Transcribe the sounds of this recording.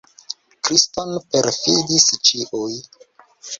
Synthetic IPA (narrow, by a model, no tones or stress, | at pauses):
kɾistonpeɾfidist͡ʃiʔuj